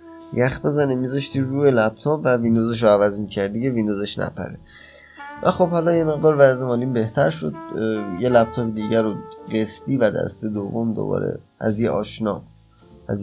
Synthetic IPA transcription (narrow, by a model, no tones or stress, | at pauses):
jæxt̪̚be̞zænemizɒʃt̪ʰiːɾuːjelæp̚t̪ʰɔːpvævind̪oːzeʃ̬oævæzmiːcʰæɾd̪iɡevind̪ozeʃnæ̰pʰæ̰ɾe | væxo̞bhɒlɒnje̞me̞ɣd̪ɒːɾvæzemɒːliːmbe̞ht̪ʰæɾʃod̪̚jelæp̚t̪ʰɔːped̪iːɟæɾoɢest̪iːvæd̪æ̰st̪ed̪ovːomd̪o̰bɒ̰ːɾḛʔæzjeʔɒ̰ːʃnɒː | æz